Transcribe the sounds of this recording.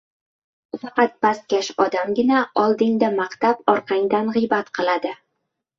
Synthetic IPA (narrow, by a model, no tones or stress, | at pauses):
fɑqɑt̪̚bast̪̚kʲaʃɒd̪amɡʲɪnaɒlˠd̪ɪŋd̪amaqt̪apɒɾqʰɑŋd̪anʁɨjbat̪qʰɨlˠad̪ɪ